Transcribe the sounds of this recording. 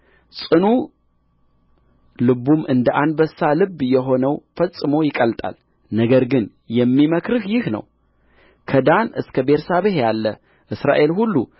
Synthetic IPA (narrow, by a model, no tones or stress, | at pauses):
sʼɨnu | lɨβumɨnd̪əʔand̪bəsːalɨbːjɛɦo̞nəwfəsʼːɨmo̞jɪkʼəlt̪ʼa̰l | nəɡəɾɡɨn | jɛmːiməkɾɨhjɪhnə̰w | kʰəd̪anɨskʰəbeɾsaβehjalːə | ʔɨsɾa̰ʔe̞lhulːu